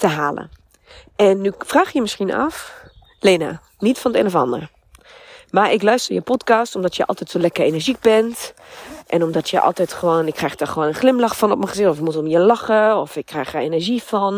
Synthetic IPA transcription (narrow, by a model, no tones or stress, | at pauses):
təɦaːlə̰ | ʔɛnːyfraːxjəmɪsinɑ̰f | lena̰ | nitfɔntenɔfɑ̰ndə̰r | maɹɪklœɥstərjə̰pɔtkastɔmdɔtjəʔɑ̰lˠtɛtsoːlɛkərenəɹzik̚bɛntʔɛnɔmdɔtʰjəʔɔ̰lˠtɛtχəʋoːnɪkʰːrɛjxdɔrχəʋoːnənχlɪmlɑxfɔnɔpməχəzɪxtɔfɪkmutɔmjəlɑxəɔfɪkʰːrɛxdaenəɹzifɔn